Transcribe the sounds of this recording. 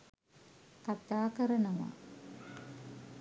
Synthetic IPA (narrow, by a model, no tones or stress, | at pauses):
kat̪aːkəɾənɐʋa̰